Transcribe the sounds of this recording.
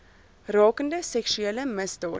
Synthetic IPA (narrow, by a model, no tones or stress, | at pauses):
rɑːkəndəsɛksʉɛləmɛsd̪ɑː